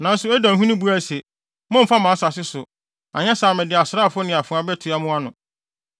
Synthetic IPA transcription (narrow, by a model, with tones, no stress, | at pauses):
nã˨n̩˦sʊ˨ɛ˦dã˨ɦũ˦nĩ˦bu˦a˦˨sɛ˨ | mɔ̃˦m̩˦fa˦mã˨˦sa˨sɪ˦sʊ˨ | ã̰˨ɲɛ̃˦saː˨mɪ̃˨dɪ˨a˨sɾa˦˨fʊ˦nɪ̃˨a˨fʊ̃˨˦a˨bɛ˦tʰu˨a˦mʊ̃˦a˦nʊ̃˨